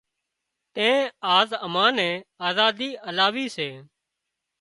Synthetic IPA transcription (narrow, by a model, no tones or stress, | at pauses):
t̪ẽːaːzəmãːnɛ̃ːaːzaːd̪iːʔəlaːʋiːseː